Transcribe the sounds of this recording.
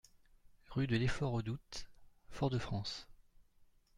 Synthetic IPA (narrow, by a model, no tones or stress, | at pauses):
ʁyd̪əlefɔʁod̪ut̪fɔʁd̪əfχɑ̃s